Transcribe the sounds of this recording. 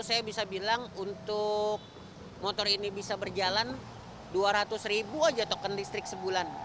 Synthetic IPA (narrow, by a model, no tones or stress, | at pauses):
sajabisabilaŋunt̪ʊk̚ | mot̪ɔrinibisabərd͡ʒalan | duaɾat̪ʊsribuad͡ʒat̪okəndist̪ɾɪksəbulan